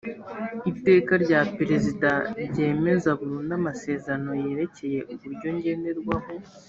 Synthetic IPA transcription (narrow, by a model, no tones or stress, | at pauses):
ite̞ːkaɾɟaːpeɾe̞zidaɾɟe̞ːme̞zaβuɾuːndamase̞ːzeɾano̞je̞ːɾe̞ce̞je̞ʔuβuɾɟo̞ɲɟe̞nde̞ɾɡwaɦo̞